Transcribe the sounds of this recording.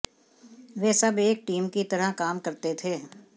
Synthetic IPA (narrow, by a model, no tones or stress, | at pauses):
ʋeːsɐbeːk̚ʈiːmkit̪ɐɾəɦkaːmkɐɾt̪et̪ʰeː